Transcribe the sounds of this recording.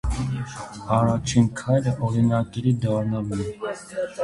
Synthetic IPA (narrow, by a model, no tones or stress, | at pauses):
ɑɾɑt͡ʃʰinkʰɑjɾəʔɔɾinɑkɛɾid̪ɑɾnɑmɛ